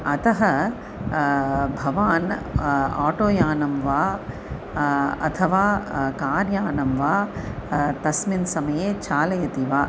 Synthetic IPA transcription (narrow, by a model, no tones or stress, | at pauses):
ɐt̪ɐɦɐ | bʱɐʋaːn | aːʈoːjaːnɐmʋaː | ɐ̰t̪ʰɐʋaːkaːɾjaːnɐmʋaː | t̪ɐsminsɐmɐjeːt͡ʃʰaːlɐjɐt̪iʋaː